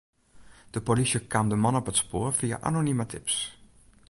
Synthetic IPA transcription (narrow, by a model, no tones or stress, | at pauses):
d̥əpolisjəkʰamdəmɔnɔpətspoːɹfia̰ʔa̰nonimətʰɪps